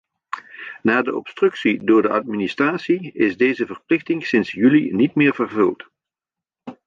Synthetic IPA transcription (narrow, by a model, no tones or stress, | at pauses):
naːdəʔɔ̰pstrɵksidʊːɹdəʔɑt̚ministraːtsiɪzdejzəvərplɪxtɪŋsɪnsjylinitmɪːɹvərvɵlˠt